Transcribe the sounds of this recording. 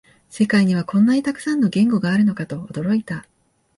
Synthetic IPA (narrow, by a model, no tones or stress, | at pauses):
se̞kaiɲ̟iβakõ̞nːaɲ̟it̪akɯ̟̥sãnːo̞ɡẽ̞ŋɡo̞ɡaːɾɯ̟no̞kat̪o̞ːd̪o̞ɾo̞it̪a